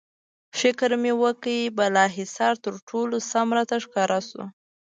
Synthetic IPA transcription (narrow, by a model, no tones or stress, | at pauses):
fɪkɾmewəkəjibalɑɦɪsɑɾt̪əɾʈʰolosamɾat̪aʂkɑɾasṵ